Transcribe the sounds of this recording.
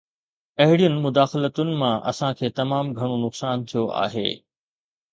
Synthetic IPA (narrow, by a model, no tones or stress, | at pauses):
pɐɦɪɽijʊnɪ̆mʊd̪aːxɪlət̪ʊnɪ̆mãʔɐ̰sãkʰeːt̪ɐmaːmɡʱɐɽ̃onʊqsaːnt̪ʰijoʔa̰ːɦḛː